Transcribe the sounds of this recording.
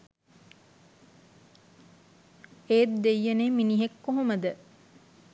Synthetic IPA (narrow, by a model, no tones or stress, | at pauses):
eːt̪d̪ejːɐneːminiɦekːoɦoməd̪ə